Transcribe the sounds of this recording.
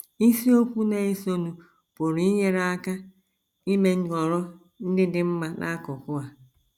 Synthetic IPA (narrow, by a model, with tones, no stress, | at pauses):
i˦si˦o˦kʷu˦na˦i˦si˦o˦nu˨ | po˨ɾi˨˦i˦ɲe˦ɾa˦a˦ka˦ | i˦me˦˨ɔ˨ɾɔ˦ | n̩˦dɪ˦dɪ˦m̩˦ma˦nʔa̰˦kɔ˨kʊ˦a˨